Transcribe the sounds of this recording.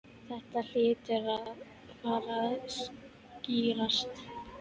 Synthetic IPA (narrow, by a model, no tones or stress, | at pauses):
θɛht̪al̥ɪːt̪ɪɾaðð | faːɾaðs | ciːɾast̪